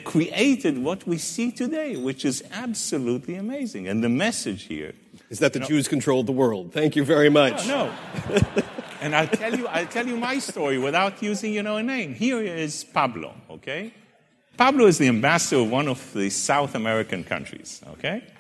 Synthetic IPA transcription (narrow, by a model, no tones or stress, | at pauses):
kʰɹ̥iʔeɪɾɨd̚wʌt̚wisitʰɨdeɪwɨt͡ʃɨzæbsɨlutˡliɨmeɪzɪ̰̃ŋɨ̃nðɨmɛsɨd̥ʒ̥hḭɹ | ɨzðɨt̪̚ðɨd͡ʒʉz̥kn̩tʰɹ̥oʊlˠðəwɜ˞lˠd̪̚θæ̃ŋkjɨvɛɹimʌt͡ʃoʊ | ɨ̃naɪlˠtʰɛlˠjɨaɪlˠtʰɛlˠjɨmaɪstɔɹiwɪθaʊtʰjʉzɪ̃ŋjɨnoʊɨnẽɪ̃mhiɹɪz̥pʰɑblo̰ʊoʊkʰeɪ | pʰɑbloʊɨzðiɨ̃mbæsə˞ʌvwʌ̃nʌv̥ðɨsaʊθəmɛɹɨkɨ̃nkʰʌ̰̃nt͡ʃɹ̥ḭz̥o̰ʊkʰeɪ